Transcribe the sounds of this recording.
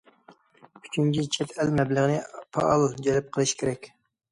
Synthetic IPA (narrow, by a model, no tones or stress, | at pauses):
y̥t͡ʃʰyŋd͡ʒʲit͡ʃʰɛt̪ʰɛlmɛbləʁnɨpʰɑ̰ʔɑlˠd͡ʒɛlɪp̚qʰəlˠɨʃkʲʰeɾɛkʲ